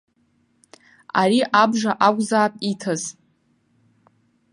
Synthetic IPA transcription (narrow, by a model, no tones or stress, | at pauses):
a̰riʔabʐaʔakʷʼzaːpʼitʰaz